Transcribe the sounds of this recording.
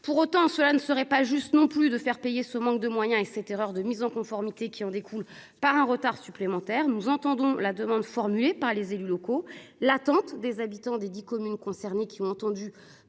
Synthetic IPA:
puʁot̪ɑ̃səlanəsəʁɛpaʒyst̪nɔ̃plyd̪əfɛʁpejesəmɑ̃k̚d̪əmwajɛ̃esɛt̪eʁœʁd̪əmizɑ̃kɔ̃fɔʁmit̪ekʲiɑ̃d̪ekʰul | paʁɛ̃ʁət̪aʁsyplemɑ̃t̪ɛːʁnuzɑ̃t̪ɑ̃d̪ɔ̃lad̪əmɑ̃d̪fɔʁmylepaʁlezelylɔkolat̪ɑ̃t̪d̪ezabit̪ɑ̃d̪ed̪ikɔmynkɔ̃sɛʁnekʲiɔ̃ɑ̃t̪ɑ̃d̪y

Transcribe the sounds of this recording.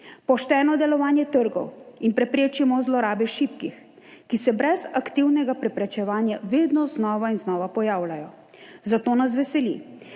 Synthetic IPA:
pɔʃt̪ɛːnɔd̪ɛlɔʋaːnjɛt̪əɾɡɔ̰winpɾɛpɾeːt͡ʃɛmɔzlɔɾaːbɛʃipkix | kisɛbɾɛzakt̪iwnɛɡapɾɛpɾɛt͡ʃɛʋaːnjaʋeːd̪nɔznɔːʋainznɔːʋapɔjaːwlʲajɔ | zat̪oːnasʋɛsɛlḭ

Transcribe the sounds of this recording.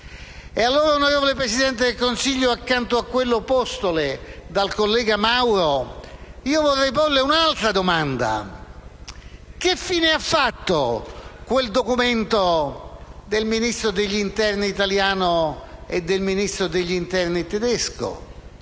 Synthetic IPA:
ealːoːɾaunoɾeːvolepɾesid̪ɛnt̪ed̪elkonsiʎːoakːant̪oakːwelːopɔst̪oled̪alkolːɛːɡamawɾo | iːovorrːɛjpolːeunalt̪ɾad̪omand̪a̰ | k̟ɪfːiːneafːat̪ːokweld̪okument̪o | d̪elminist̪ɾod̪eʎːint̪ɛrniːt̪aljaːnoed̪ːelminist̪ɾod̪eʎːint̪ɛrnit̪ɛd̪ɛsko̰

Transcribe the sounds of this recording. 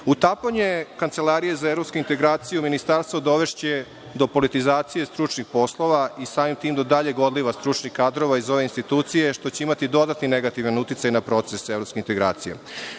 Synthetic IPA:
ut̪apoɲekanse̞laɾije̞zaevɾo̞pskoint̪e̞ɡɾaːt̪sijuminist̪aɾst̪ʋod̪o̞ʋe̞ʃt͡ɕe | d̪o̞po̞lit̪izaːt̪sije̞st̪ɾut͡ʃnixpo̞slˠo̞ʋaisaːmimt̪iːmd̪od̪aʎeɡo̞d̪liʋast̪ɾut͡ʃnixkaːd̪ɾo̞ʋaizo̞ʋeinst̪it̪uːt̪sije̞ʃt̪o̞t͡ɕeimat̪id̪o̞d̪at̪nineɡat̪iʋanut̪it̪sajnapɾo̞t̪se̞sevɾopskʲeint̪e̞ɡɾa̰ːt̪sijḛ

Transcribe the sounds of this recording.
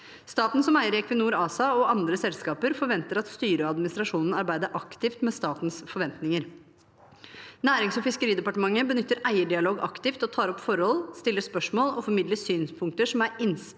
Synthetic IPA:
st̪ɑːt̪n̩sɔmæɪəɾɛkʰʋənuːɾɑːsɑɔɑnd̪ɾəsɛlskɑːpəɾfɔɾʋɛnt̪əɾɑt̪st̪yːɾəɑd̪mɪnɪst̪ɾɑʂuːnən̩ɑɾbæɪd̪əɾʔɑkt̪ɪft̪mɛst̪ɑːt̪n̩sfɔɾʋɛnt̪nɪŋəɾ | næːɾɪŋsɔfɪskəɾiːd̪ɛpɑʈəmɑŋːəbənʏt̪ːəɾʔæɪəɖɪɑloːɡɑ̰kt̪ɪft̪ɔt̪ʰɑːɾɔpfɔɾhɔlst̪ɪlːəspœʂmoːlɔfɔɾmɪd̪ləsyːnspʰʊŋk̚t̪əʂɔmæɾɪns

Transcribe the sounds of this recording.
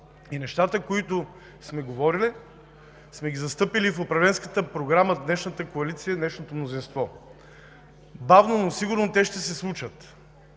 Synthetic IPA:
inɛʃt̪at̪əkoit̪ʊ | smɛɡovɔɾili | smɛɡʲizɐst̪ɤpilifʊpɾɐvlɛnskət̪əpɾoɡɾaməd̪nɛʃnət̪əkoɐlit̪sijəd̪nɛʃnot̪omnozinst̪vɔ | bavnonosiɡʊɾnot̪ɛʃt̪ɛsɛslˠut͡ʃət̪

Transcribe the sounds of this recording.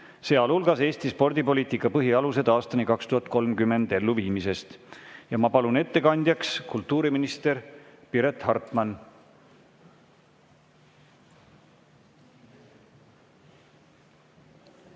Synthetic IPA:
se̞ːɑlulɡ̥ɑse̞ːst̪ispo̞rd̪̥ipo̞liːt̪ikːˑɑpɤɦiɑluse̞d̪ɑːst̪ɑnikɑkst̪uhɑt̪̚ˑko̞lmkymːe̞nd̪̥e̞lːuviːmise̞st̪jɑmɑpɑlune̞t̪ːe̞kɑnʲd̪jɑkskult̪ˑːuːɾiminist̪e̞ɾpiɾet̪hɑrt̪ˑmɑn

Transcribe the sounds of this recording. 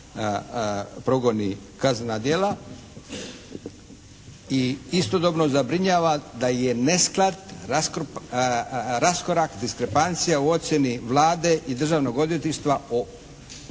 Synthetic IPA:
pɾoɡo̞ni | kaznad̪je̞la | iist̪o̞d̪obnozabɾiɲaːʋad̪aje̞ne̞sklat̪ask | ɾaskoɾakd̪iskɾepant̪sijauo̞t̪sʲje̞niʋlˠaːd̪e̞ʔid̪r̩ʒaːʋno̞ɡo̞d̪je̞t̪iʃt̪ʋao

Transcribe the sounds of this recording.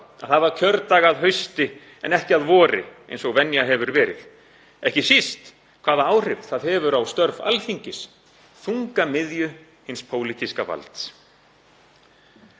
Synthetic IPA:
aðθaðvaɾ̥cʰœɾt̪aːɣaðɦœɥst̪ɪ | ɛ̰nɛhcɪaðvɔːɾɪ̰ḛjnsɔɣvɛnjaɦɛvʏɾvɛːɾɪð | ɛhcɪsist̪ | kʰv̥aːðaaːwr̥ɪft̪θaðhɛvʏɾawst̪œɾva̰lfiɲcɪs | θuŋkamɪðjʏ | hɪnspʰoːwlit̪iskava̰lt̪s

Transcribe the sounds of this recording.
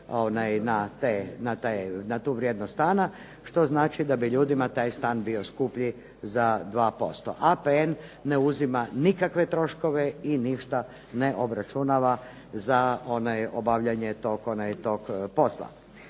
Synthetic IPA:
onajnat̪enat̪ajnat̪uːʋɾʲjed̪nost̪aːna | ʃt̪o̞znaːt͡ʃid̪abiʎuːd̪imat̪aːjst̪aːnbio̞skupʎi | zad̪ʋaːpo̞st̪o̞̰ʔapeenːeuzimanikakʋe̞t̪ɾo̞ʃko̞ʋe̞iniʃt̪a | neʔo̞bɾat͡ʃunaʋa | zao̞najobaʋʎaɲet̪okonajt̪o̞ɡpo̞slˠa̰

